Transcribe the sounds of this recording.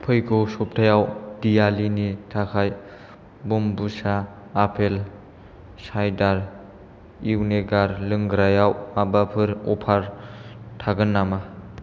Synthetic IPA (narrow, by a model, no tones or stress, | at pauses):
pʰɯjkʰowsɔp̚tʰajawdijalinitʰakʰaj | bumbusaː | pʰel | sajdaɾ | iwneɡaɾlɯŋɡɾajawabapʰɯɾɔpʰaɾtʰaɡɯnːama